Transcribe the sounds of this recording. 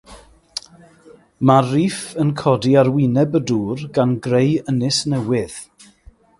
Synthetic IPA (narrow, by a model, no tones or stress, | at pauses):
maiːfənkʰɔdiaɾwinɛbəduːrɡanɡrejənɪsnɛwɪð̥